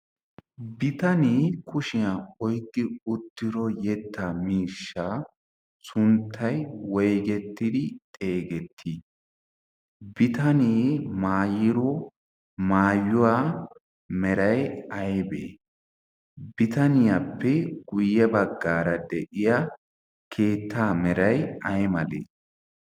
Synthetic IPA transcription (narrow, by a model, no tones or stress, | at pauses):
bɪt̪ɐniːkʰʊʃɪjaɔjɡːɪʊt̪ːɪɾɔjɛt̪ːɐmiːʃːaː | sʊnt̪ʰːɐjwɔjɡɛt̪ːɪd̪ɪt̪ʼe̞ːɡɛt̪ʰːi | bɪt̪ɐniːmaːjɪɾɔ | maːjːʊwaː | mɛɾɐjɐjbḛː | bɪt̪ɐnɪjɐpːɛɡʊjːɛbɐɡːaːɾɐd̪ɛʔɪjɐ | kʰe̞ːt̪ːaːmɛɾɐjɐjmɐlḛː